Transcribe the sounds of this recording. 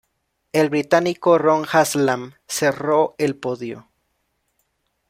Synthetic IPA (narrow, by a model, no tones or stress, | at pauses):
e̞lβɾit̪anikoroŋxaslam | se̞roelpoðjo̰